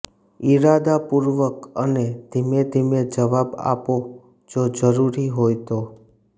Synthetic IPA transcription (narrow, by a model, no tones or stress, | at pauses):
iɾad̪apuɾʋəkəned̪ʱimed̪ʱimed͡ʒəʋaba̰po | d͡ʒod͡ʒəɾuɾiɦojt̪o